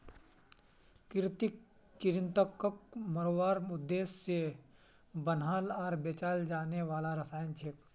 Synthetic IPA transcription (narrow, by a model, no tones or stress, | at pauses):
kɪɾt̪ik | t͡ʃɪɾɪnt̪əkːəkməɾoːʋaːɾʊd̪ːeːsːe | bənɦaːlɔːɾbeːt͡ʃaːld͡ʒaːneʋaːlaɾəsaːjənt͡ʃʰeːk